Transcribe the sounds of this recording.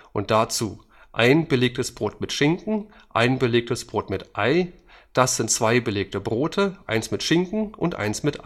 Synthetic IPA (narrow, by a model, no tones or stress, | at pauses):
ʔʊnt̚d̥at͡suː | ʔaɪnbəleːk̚təsb̥ʁoːtmɪtʃɪŋkŋ̩ | ʔa̰ɪnbəleːk̚təsb̥ʁoːtmɪtʔaɪ | d̥asz̥ɪntt͡sv̥aɪbəleːk̚təbʁoːtʰəʔa̰ɪnsmɪtʃɪŋkŋ̩ʔʊntʔa̰ɪnsmɪtʔa